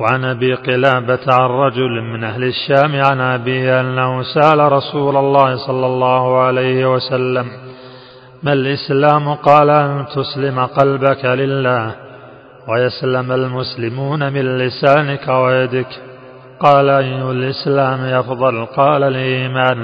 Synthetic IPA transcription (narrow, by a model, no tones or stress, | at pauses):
waʕanʔabiːqɨlaːbaʕanˤɑd͡ʒʊlmɪnʔahlɪʃːaːmʕanʔabiːhɪʔanːahʊsaʔalaɾˤɑsuːlalːɑːhɪsˤɑlːɑlˤːɑːhʊʕalajhɪwasalːamː | alʔɪslaːmqɑːlʔant̪ʊslɪmaqɑlbakalɪlːaːh | wajaslamalmʊslɪmuːnamɪnlɪsaːnɪkawajad̪ɪk | qɑːlaʔajːʊhalʔɪslaːmʔɑfðˤɑlqɑːlalʔiːmaːn